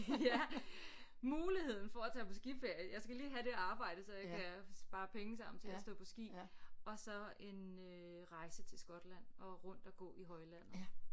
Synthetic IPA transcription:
jæ | muːlihe̝ð̞̰ˠn̩fɒ̽æt͡sʰɛ̰ːpʰɒ̽sɡ̥ifeɐ̰jəjɑ̈ɪsɡ̥æliːɦæɾe̝æɑ̈ːb̥ɑ̈ɪ̰d̥əsɒ̽jɑ̈ɪkʰæsb̥ɑ̈ːpʰeŋəsɑ̈m̰n̩t͡sʰe̝læsd̥ɔ̰̽ːpʰɒ̽sɡ̥ḭːɒ̽sɒ̽e̝n | ø | ʁɑ̈ɪsət͡sʰe̝lsɡ̥ɒ̽d̥læn̰ɒ̽ʁɔ̽n̰d̥ɒɡ̥ɔ̰̽ːiɦɒ̽ɪlæn̰ð̩ˠ

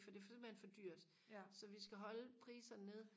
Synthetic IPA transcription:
fɒd̥e̝fsmænfɒ̽d̥yɐ̰d̥ | sɒ̽ʋisɡ̥æɦɒ̽ləpʰʁḭːsɐne̝ðˠ

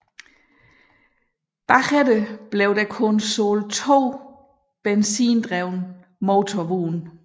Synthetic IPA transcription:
b̥ɑχedəb̥leʊd̥ækʰɔ̽nsoːlt͡sʰo̝̰ː | b̥ensiːnd̥ʁɛʊ̰n | moːt͡sʰɔʋuːn

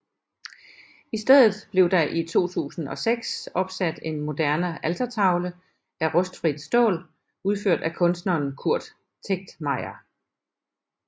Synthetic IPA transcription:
isd̥eð̞̰ˠð̩ˠb̥le̝ʊd̥ɑ̈ʔit͡sʰo̝̰ːt͡sʰṵːsn̩ɒ̽seɡ̥sɒ̽b̥sæd̥e̝nmo̝d̥æɐnəælt͡sʰɐt͡sʰɑ̈ʊlə | æʁɔ̽sd̥fʁid̥sd̥ɔ̰̽ːl | uð̞ˠføɐ̰d̥ækʰɔ̽nsd̥nɐːnkʰuɐ̰d̥ | t͡sʰeɡ̥̚d̥mɑ̈ɪɐ

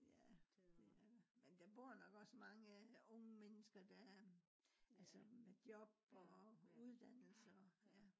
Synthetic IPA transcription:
jæd̥e̝æmend̥æb̥o̝ɐ̰nɒ̽ɡ̥ɒ̽smɑ̈ŋəɔŋəmenəsɡ̥ɐd̥æɐɐ | ʔælsəmed̥jɒ̽b̥ɒuð̞ˠd̥æn̰l̩səɒjæ

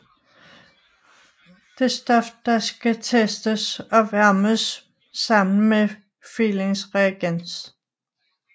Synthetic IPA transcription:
d̥e̝sd̥ɒ̽fd̥ɑ̈sɡ̥æt͡sʰesd̥əsɒ̽ʋæɐməsː | ɑ̈m̰n̩me | file̝ŋsʁɛːɡ̥en̰s

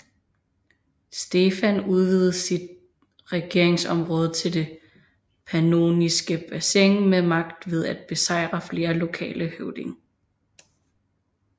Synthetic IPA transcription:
sd̥e̝fænuð̞ˠʋið̞̩ˠəsid̥̚ | ʁɛɡ̥e̝ɐ̰e̝ŋsɒ̽mʁɔ̽ːð̞ˠt͡sʰe̝ld̥e̝ | pʰæno̝̰nisɡ̥əb̥æseŋmemɑ̈ɡ̥d̥ʋe̝ð̞ˠæd̥̚b̥e̝sɑ̈ɪ̰ʁɐfle̝ːɐlo̝kʰɛ̰ːləhøʊd̥e̝ŋ

